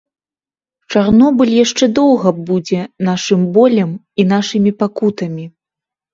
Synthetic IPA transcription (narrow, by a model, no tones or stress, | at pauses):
t͡ʂarnɔbɨlʲjaʂt͡ʂɛd̪ɔwɣɐbud͡zʲɛn̪aʂɨmbɔlʲɐm | in̪aʂɨmʲipakut̪ɐmʲi